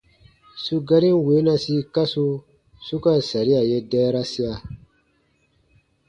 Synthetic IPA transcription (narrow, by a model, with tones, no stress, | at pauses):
su˧ɡa˦ɾĩ˦n˦we˨˦na˧si˦ka˦su˧ | su˦ka˦˨sa˨ɾi˦a˨je˦dɛː˦ɾa˦si˦a˨